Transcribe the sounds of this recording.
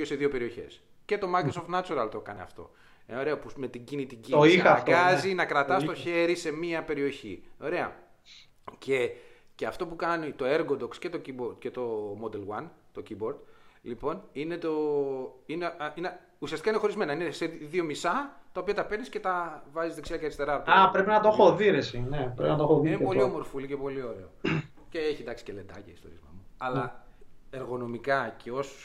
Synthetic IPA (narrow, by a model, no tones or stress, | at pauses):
oseðio̞pe̞ɾio̞çe̞̰s | ce̞t̪o̞mɐjkɾosoft̪nɐt͡suɾɐlt̪o̞kɐnḛɐ̰ft̪o̞̰ | oɾe̞ɐpume̞t̪iɟinit̪iɟiniɐɡɐzinɐkɾɐt̪ɐst̪o̞çe̞ɾise̞miɐpe̞ɾio̞çḭo̞ɾe̞ɐ̰ | cʰe̞ | ceɐft̪o̞pukɐnit̪o̞eɾɡod̪o̞ksce̞t̪o̞ciboɾd̪ce̞t̪o̞mo̞d̪elwɐnt̪o̞cibo̞ɾd̪lipo̞nine̞t̪o̞ | ineine | usiɐst̪ikɐineo̞ɾizme̞nɐineseðiomisɐt̪ɐo̞piɐt̪ɐpe̞ɾnisce̞t̪ɐvɐzizðeksiɐceɐɾist̪e̞ɾɐot̪apɾe̞pinɐt̪oxoðiɾesinepɾepinɐt̪oxoðinepo̞liomo̞ɾfolicepo̞lio̞ɾe̞o | ceeçiend̪ɐksi̥cele̞d̪ɐ̰cḛist̪o̞̰ɾḭzmɐ̰muɐlɐ | eɾɣo̞no̞mikɐcʰe̞o̞so̥s